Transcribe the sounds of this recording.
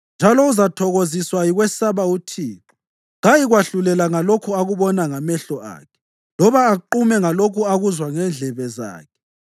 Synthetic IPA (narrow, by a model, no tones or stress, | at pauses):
nd͡ʒʱalɔuzatʰɔɣoziswajiɣwɛsaβautʰiːǁɔ̥ | ɣajiɣwaɬulɛlaŋalokʰuaɣuβɔnaŋamɛɬɔʔa̰ːkʰɛ̥ | lɔβaːǃumɛŋalokʰuaɣuzwaŋɛnd͡ɮʱɛβɛza̰ːkʰɛ̥